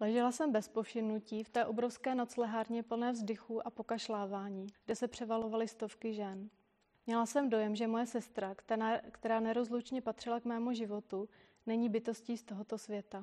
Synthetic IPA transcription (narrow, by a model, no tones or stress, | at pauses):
lɛʒɛlasɛmbɛspofʃɪmnuciːft̪ɛːʔo̞bɾo̞fskɛːnat̪slɛɦaːɾɲɛpl̩nɛːvzdɪxuʔapo̞kaʃlaːvaːɲiːɡdɛsɛpr̝̥ɛvalo̞valɪst̪o̞fkɪʒɛn | mɲɛlasɛmdo̞jɛmʒɛmo̞jɛsɛst̪ɾakkt̪ɛɾaːnɛɾo̞zlut͡ʃɲɛpat̪r̥ɪlakmɛːmuʒɪvo̞t̪u | nɛɲiːbɪt̪o̞sciːst̪o̞ɦo̞t̪o̞svjɛt̪a